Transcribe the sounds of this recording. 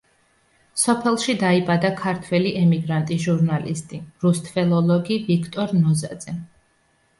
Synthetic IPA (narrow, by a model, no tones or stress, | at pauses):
sɔpʰɛlˠʃid̪aibad̪akʰaɾt̪ʰwɛliʔɛmiɡɾant̪ʼiʒuɾnalḭst̪ʼiɾust̪ʰfɛlˠɔlˠɔɡivikʰt̪ʼɔɾnɔzad̪z̥ɛ